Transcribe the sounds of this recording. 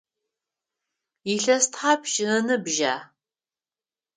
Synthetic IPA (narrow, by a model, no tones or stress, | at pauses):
iɬɐstʰħapʰʃɨnɨbʒa̰ː